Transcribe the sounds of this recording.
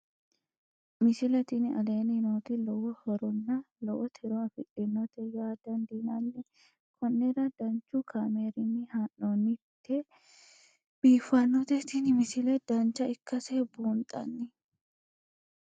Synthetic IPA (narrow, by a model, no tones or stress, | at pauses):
mɪsɪlɛt̪ɪnɪɐ̰leːnɪnoːt̪ɪlɔwɔhɔɾɔnːɐ | lɔwɐt̪ʰɪɾɔɐfɪlːɪnːɔt̪ɛjaːd̪̥ɐnd̪inɐnːɪ | kʰɔnːɛɾɐd̪̥ɐnt͡ʃːukʰameɾɪnːɪhaʔoːnːɪt̪ːɛ | b̥iːfɐnːɔt̪ɛt̪ɪnɪmɪsɪlɛd̪ɐnt͡ʃɐɪkːɐseːbuːnt̪ʼɐ̰nːɪ